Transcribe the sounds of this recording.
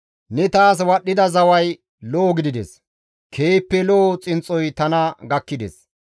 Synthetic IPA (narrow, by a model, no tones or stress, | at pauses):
nɛt̪aːs̬wɐɗːɪd̪ɐzɐwɐj | loːɡɪd̪ɪd̪ɛ̰s | kʰe̞ːpːɛloːt͡sʼɪnt͡sʼːɔjt̪ɐnɐɡɐkːɪd̪ɛ̰s